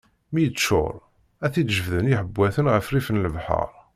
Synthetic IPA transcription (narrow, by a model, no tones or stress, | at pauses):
mijəʃʊ̰ɾˤ | æθid̪ʒəvðəniħəbːæθənʁəfrifnləvħɑ̰ɾˤ